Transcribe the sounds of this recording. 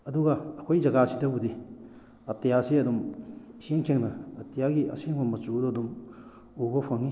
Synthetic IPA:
ɐduɡɐːkʰojzɐɡasidɐbudi | ɐtijasiɐdumiseŋt͡ʃeŋnɐɐtijaɡiɐ̰seŋbɐmɐt͡ʃudoɐdum | uɡopʰaŋi

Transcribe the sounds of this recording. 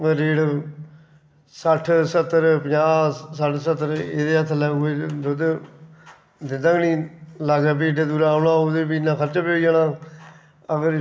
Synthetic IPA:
əɾeːɽ | səʈʰsət̪ːəɾpəd͡ʒaːsəʈʰsət̪ːəɾeːd̪eːɦət̪ʰːlɛːɡoed̪ʊd̪ | d̪ɪnd̪aːɡnĩːlaɡãːpiːʈeːd̪uːɾãːʊnãːʊd̪ebinːãːkʰəɾt͡ʃapeːɽiːaːnaː | əɡəɾ

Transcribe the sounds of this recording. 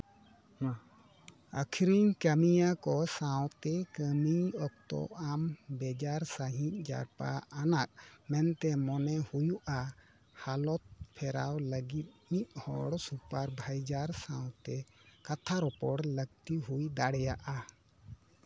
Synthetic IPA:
əkʰiɾiɲkəmijakɔsawt̪ɛkəmiɔk̚t̪ɔ̰ambɛd͡ʒaɾsaɦĩʔ̚d͡ʒa̰ɾpa̰ʔanaʔ̚mɛnt̪ɛmɔnɛhujuʔa | halɔt̪̚pʰɛɾa̰wləɡit̪̚miʔ̚hɔ̰ɽsupaɾbʱajd͡ʒaɾsaw̃t̪ɛkat̪ʰaɾɔpɔɽləɡ̚t̪iɦujd̪aɽɛjaʔa

